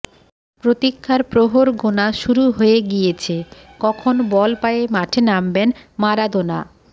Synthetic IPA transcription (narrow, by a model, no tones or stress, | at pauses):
pɾot̪ikʰːaɾpɾoɦoɾɡonaʃuɾuɦojeɡijet͡ɕʰe | kɔkʰonbɔlpajemaʈʰenambenmaɾad̪ona